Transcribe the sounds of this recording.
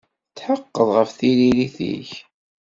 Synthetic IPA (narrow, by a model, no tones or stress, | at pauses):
t͡sːħəqːəðˤʁəfθililiθḭç